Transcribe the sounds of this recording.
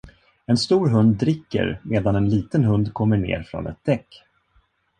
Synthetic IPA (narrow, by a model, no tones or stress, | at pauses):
ɛnst̪uːɾɦɵnd̪̚ːɾɪkːə̰ɾmeːd̪anɛnliːt̪ənɦɵnd̪kʰɔmːəɳḛːɾfɾɔ̰nɛ̰t̪̚d̪̥ɛkː